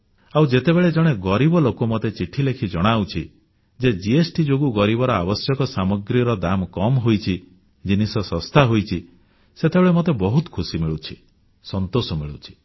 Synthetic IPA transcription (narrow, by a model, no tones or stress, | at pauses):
awd͡ʒet̪ebeɭed͡ʒɔɽ̃eɡɔɾibɔlokomot̪et͡ʃiʈʰilekʰid͡ʒɔɽ̃awt͡ʃʰi | d͡ʒed͡ʒiesʈid͡ʒoɡuɡɔɾibɔɾɔabɔsjɔkɔsamɔɡɾiɾɔd̪amkɔmɦojt͡ʃʰi | d͡ʒinisɔsɔst̪ʰaɦojt͡ʃʰi | set̪ebeɭemot̪ebɔɦut̪kʰusimiɭut͡ʃʰi̥ | sɔnt̪osɔmiɭut͡ʃʰi̥